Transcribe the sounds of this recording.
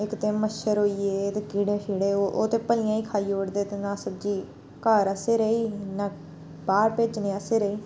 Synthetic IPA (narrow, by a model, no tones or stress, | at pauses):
ɪkt̪ẽːməʃəɾɦoːiːeːt̪eːkiːɽẽːpʰiːɽeːoʔoːt̪eːpəlɪjãːiːkʰaːiːoːɽd̪eːt̪eːnãːsəb̚d͡ʒiː | kaːɾəseːɾəiːnãː | baːɾpeːt͡ʃnẽːəseːɾəiː